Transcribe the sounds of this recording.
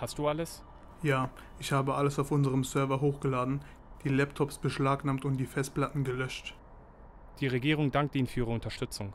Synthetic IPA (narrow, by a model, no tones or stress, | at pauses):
hast̚d̥uːaləs | jaː | ʔɪçhaːbəʔaləsaʊfʊnzəʁəmsœɐvɐɦoːxɡ̥əlaːdn̩ | d̥iːlɛptʰɔpsb̥əʃlaːknaːmtʊnt̚d̥iːfɛstpl̥atn̩ɡəlœʃt | d̥iːʁeɡiːʁ̞ʊŋdaŋk̚tiːnfyːiʁəʊntɐʃtʏt͡sʊŋ